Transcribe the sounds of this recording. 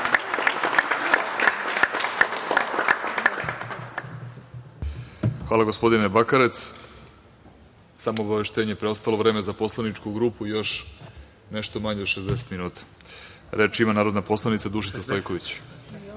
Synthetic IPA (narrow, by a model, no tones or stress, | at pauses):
xʋaːlaɡo̞spo̞d̪inebakaɾe̞t̪s | samoːbaʋe̞ʃt̪e̞ːɲe̞pɾeost̪alˠo̞ʋɾeːme̞zapo̞slˠanit͡ʂkuɡɾuːpuijo̞ʃ | ne̞ʃt̪o̞maɲeo̥ʃezd̪eset̪minuːt̪ḁ | ɾet͡ʃimanaːɾo̞d̪napo̞slˠanit̪sad̪uʃ̬it̪sast̪o̞jko̞ʋit͡ɕ